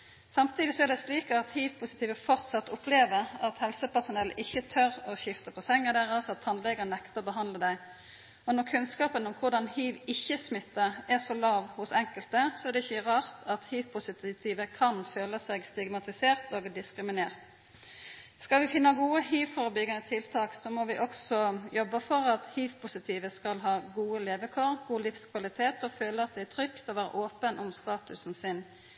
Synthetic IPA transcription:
sɑmt̪ʰiːd̪ɪsɔɛʁd̪ɛsliːkəɑt̪hiːʋpʰʊsɪt̪ʰiːʋəfɔʁt̪sɑt̪ːʊpʰleːʋəʁɑt̪hɛlsəpæʁsʊnɛlʔɪçːət̪ʰœʁɔɕɪft̪əpʰɔsɛŋːəd̪æːʁɑsɑt̪ʰːɑnlɛɡənɛkt̪əɔbəɦɑnd̪ləd̪æɪ | ɔnɔʁkʰʉnskɑːpənʊmkʰʊʁd̪ɑnhiːʋɪçːəsmɪt̪ːəʁɛsɔlɑːʋhʊsɛŋkəlt̪əsɔɛʁd̪ɛɪçːəʁɑːʁt̪ʰɑt̪hiːʋpʰʊsɪt̪t̪ʰiːʋəkʰɑnføːləsɛɡst̪ɪɡmɑt̪ɪseːʁt̪oːɡd̪ɪskʁɪmɪneːʁt̪ | skɑlʋɪfɪnːəɡuːəɦiːʋfɔʁbʏɡənət̪ʰɪlt̪ʰɑːksɔmoːʋɪʔɔksɔjɔbːəfɔʁɑt̪hiːʋpʰʊsɪt̪ʰiːʋəskɑlɦɑːɡuːəleːʋəkʰoːʁɡuːlɪfskʰʋɑlɪt̪ʰeːt̪ɔføːləɑt̪̚d̪ɛæt̪ʰʁʏkt̪ɔʋæːɾə̰ʔoːpənʔʊmst̪ɑːt̪ʉsn̩sɪn

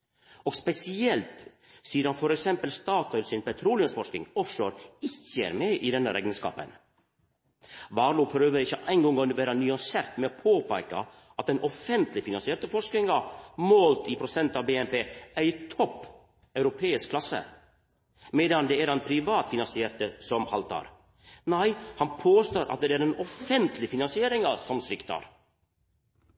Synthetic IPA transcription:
ɔɡspɛsɪɛlt̪ | siːəɾhɑnfɔɾɛksɛmpəlst̪ɑːt̪ɔʏlsɪnpɛt̪ʰɾuːlɪəsfɔʂkɪ̰ŋɔfʃoːɾɪçḛɾmɛʔɪd̪ɛnːəɾʔɛ̰ɡənskɑ̰ːpə̰n | ʋɑːɾluːpʰɾøːʋəɾɪçːəʔæɪŋɡɔŋɔnʋæːɾənyɑnseːɾt̪mɛopʰoːpæɪkɑ̰ | ʔɑt̪̚d̪ɛnʔɔfɛnt̪lɪfɪnɑnsɪeːɾt̪əfɔʂknɪŋɑmoːlt̪ipʰɾʊsɛnt̪ɑːʋbeːɛnpeːæt̪ʰɔpː | œʉɾʊpʰeːɪskʰlɑsə̰ | meːd̪ɑnd̪ɛæɾɛnpʰɾɪʋɑːt̪fɪnɑnsɪeːɾt̪əsɔmhɑ̰lt̪ɑ̰ɾ | næɪhɑnpʰoːst̪oːɾʔɑ̰t̪̚d̪ɛæɾɛnɔfɛnt̪ʰlɪfɪnɑnsɪeːɾɪŋɑsɔmsɾɪkt̪ʰɑ̰ɾ

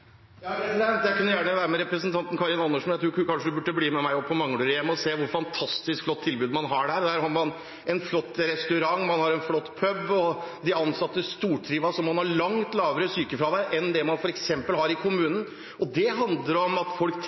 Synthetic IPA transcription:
jɑɛsd̪ɛnt̪jæɪkʉnːəjæːɳəʋæːɾəmɛɾɛpɾəsnt̪ʰɑnt̪n̩kʰɑɾɪnɑnːəʂmɛnæt̪ɾuːɾuːɾkɑnʂəd̪ʉbʉʈːəbliːmɛmæɪɔpʰːɔmɑŋːɽøɾəjɛmːɔseːʋʊɾfɑnt̪ʰɑst̪ɪskflɔt̪ʰːɪlbʉːd̪mɑnɦɑɖæːɾd̪æːɾhɑɾmɑn | ɛnflɔt̪ːɾɛst̪ʉɾɑŋːmɑnhɑɾɛnflɔt̪ːpʰœbːɔd̪ɪɑnsɑt̪ːəst̪uːʈʰɾiːʋɑʂɔmːɑnhɑɾɭɑŋt̪lɑːʋəɾəsyːkəfɾɑʋæɪʔɛnd̪ɛmɑnfɔɾɛksɛmpəlhɑɾɪkʰʊmʉːnən | ʔɔd̪ɛɦɑnd̪ləɾɔmɑt̪fɔlk

